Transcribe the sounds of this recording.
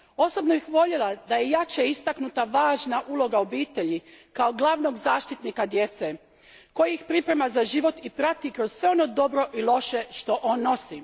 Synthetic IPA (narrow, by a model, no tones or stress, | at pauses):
o̞so̞bno̞bixʋo̞ʎelˠad̪aje̞jat͡ʃeist̪aknut̪aʋaːʒnaʔulˠo̞ɡao̞biːt̪e̞ʎikao̞ɡlˠaʋno̞ɡzaːʃt̪it̪nikad̪je̞t̪se | ko̞jiixpɾipɾe̞mazaʒiʋo̞t̪ipɾat̪ikɾo̞z̥sʋeo̞no̞d̪o̞bɾo̞ʔilˠo̞ʃe̞ʃt̪o̞ʔo̞ːnːo̞si